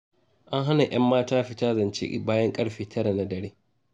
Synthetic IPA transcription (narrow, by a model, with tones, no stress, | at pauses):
ʔa˦ŋɦa˦na˨ʔj̰ɐ˦mːaː˦taː˦ɸɪ˦ta˦zɐ˨nt͡ʃɪ̰˦ʔʲɪ̰˨baː˦jɐ˦ŋkʼɐ˦ɽɸiː˨tʰɐ˦ɾa˨na˦dɐ˨ɽeː˦